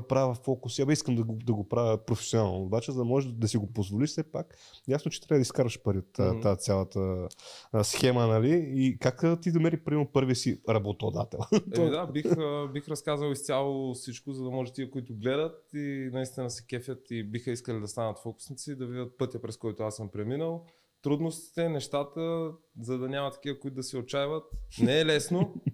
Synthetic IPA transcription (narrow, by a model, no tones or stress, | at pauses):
pɾavəfɔkuʊsiabɛiskəmd̪ɐɡod̪ɐɡopɾavʲjəpɾofɛ̥sjonaalˠnoobat͡ʃɛzɐd̪ɐmɔʒɛd̪ɐsiɡopozvoliʃsɛpak | jasnot͡ʃɛ̥t̪ɾabəd̪iskaɾəʃpɐɾiot̪ːat̪sʲjalˠɐt̪ə | sxɛmənɐliikakət̪id̪ɐmɛɾipɾimɛɾnopɤɾviəsiɾɐbot̪od̪a̰t̪ɛ̰lˠt̪ɔd̪abibixɾɐskazəlˠist̪sʲalˠofsit͡ʃkʊzɐd̪ɐmɔʒɛt̪iɛkoit̪ʊɡlɛd̪ət̪inɐist̪inɐsɛ̥kɛfʲət̪ibixəiskəlid̪ɐst̪anət̪fɔkʊ̥snit̪sid̪ɐvid̪ʲət̪̚pɤt̪jəpɾɛskɔjt̪ʊasəmpɾɛminəlˠ | t̪ɾud̪nost̪i̥t̪ɛnɛʃt̪at̪ə | zɐd̪ɐnʲamɐt̪ːɐ̥kivəkʊit̪ːd̪ɐsɛot͡ʃajvət̪̚nɛːlɛsno